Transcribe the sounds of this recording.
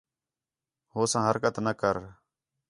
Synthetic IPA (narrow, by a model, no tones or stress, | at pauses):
hoːsãːɦəɾkət̪nəkəɾ